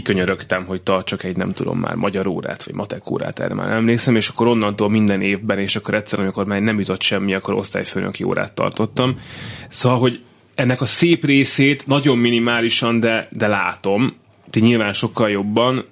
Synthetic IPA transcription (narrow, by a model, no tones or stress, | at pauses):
køɲøɾøkt̪ɛmɦo̞ct̪ɒrt͡ʃɒkɛɟnɛ̰mt̪ud̪o̰mːa̰ːrmɒɟɒɾo̰ːɾa̰ːt̪ʋɒ̰ɟmɒt̪ɛko̰ːɾa̰ːt̪ɛ̰ːɾɛ̰ma̰ːɾɛmleːksɛmeːʃɒ̥kːo̞ɾo̞nːɒnt̪oːlmind̪ɛneːvbɛneːʃɒkːoɾɛt̪sːɛɾɒmiko̞rmaːrnɛmjut̪o̞t̪ʃɛmːiɒkːoɾo̞̰st̪aːjføːnʔø̰kio̰ːɾa̰ːt̪ːɒ̰rt̪o̞t̪ːɒmsoːvɒlɦo̞ɟ | ɛnːɛkɒseːpreːseːt̪nɒɟo̞mːinimaːliʃɒnd̪ɛd̪ɛla̰ːt̪o̞m | t̪iɲilvaːnʃo̞kːɒljo̞bːɒn